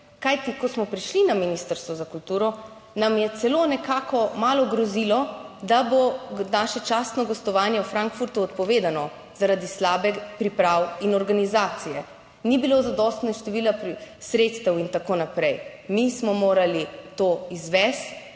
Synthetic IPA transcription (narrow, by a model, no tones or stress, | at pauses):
kajt̪ikɔsmɔpɾiʃlinaminist̪əɾst̪ʋɔzakult̪uːɾɔ | namjɛt̪sɛlonɛkaːkʰɔmaːlɔɡɾɔzilɔd̪abonaːʃɛt͡ʃaːst̪nɔɡɔst̪ɔʋaːnjɛwfɾaŋkfuɾt̪uɔt̪pɔʋeːd̪anɔ | zaɾad̪islaːbɛpɾipɾawinɔɾɡanizaːt̪sijɛ | nibilozad̪ɔst̪naʃt̪ɛʋiːlapsɾet̪st̪ɛwint̪akoːnapɾɛjmismɔmoːɾalit̪oizʋɛst̪